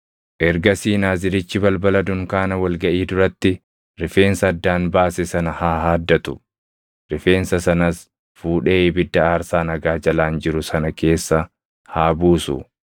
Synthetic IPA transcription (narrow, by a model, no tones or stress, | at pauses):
ʔɛɾɡɐsiːnaːzɪɾɪt͡ʃːɪbɐlbɐlɐd̪ʊŋkaːnɐwɐlɡɐʔiːd̪ʊɾɐt̪ːɪ | ɾɪfe̞ːnsɐːd̪ːaːnbaːsɛsɐnɐhaːhaːd̪ːɐt̪ʊ̥ | ɾɪfe̞ːnsɐsɐnɐs | fuːᶑe̞ːbɪd̪ːɐaːɾsaːnɐɡaːd͡ʒɐlaːnd͡ʒɪɾʊsɐnɐke̞ːsːɐ | haːbuːsʊ̰